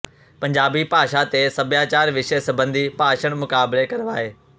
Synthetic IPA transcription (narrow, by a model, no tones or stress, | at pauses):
pɐ̃ɲd͡ʑaːbipaːʃat̪esɐbjãt͡ɕaːɾʋɪʃəsɐbə̃nd̪ʱipaːʃəɽ̃mʊkaːblekɐɾʋaːɦeː